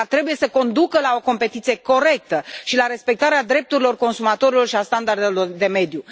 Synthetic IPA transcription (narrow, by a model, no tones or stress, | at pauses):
at̪ɾe̞buje̞səko̞nd̪ukəlao̞ko̞mpe̞t̪it̪sije̞ko̞ɾe̞k̚t̪əʃilaɾe̞spe̞k̚t̪aɾead̪ɾe̞p̚t̪uɾilo̞rko̞nsumat̪o̞ɾilo̞rʃiast̪and̪ard̪e̞lo̞rd̪e̞me̞d̪ju